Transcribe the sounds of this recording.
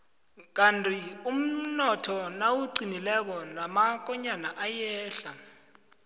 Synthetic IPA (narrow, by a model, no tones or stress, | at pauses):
k̬antʰʼium̩nɔtʰɔnawuǀinilɛk̬ɔnamak̬ʼɔɲanaʔajɛːɬa